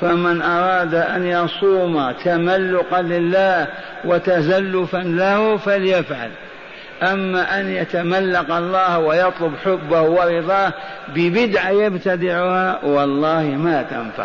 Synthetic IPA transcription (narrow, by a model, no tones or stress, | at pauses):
famɪnʔɑɾˤɑːd̪aʔanjɑsˤuːmat̪amalːʊqɑlɪlːaːh | wat̪azalːʊfanlahfaljafʕa̰l | ʔamːaʔanjat̪amalːaqɑlˤːɑːhwɪjɑt̪ˤlʊbħʊbːahwɪɾɪðˤɑː | bɪbɪd̪ʕajabt̪ad̪ɪʕʊhawɑlˤːɑːhmat̪a̰nfa̰ʕ